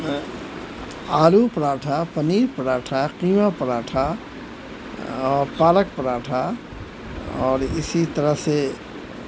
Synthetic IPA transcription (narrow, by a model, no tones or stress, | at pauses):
aːlupɐɾaːʈʰapɐniːɾpɐɾaːʈʰaqiːmapɐɾaːʈʰa | ɔːɾpaːlək̚pɐɾaːʈʰa | ɔːɾɪsit̪ɐɾəɦse